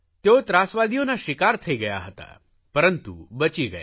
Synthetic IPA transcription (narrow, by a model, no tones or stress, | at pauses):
t̪jot̪ɾasʋad̪ijõnaɕikaɾt̪ʰəiɡəja̰ɦət̪a̰ | pəɾənt̪ubət͡ɕiːɡə̰ja̰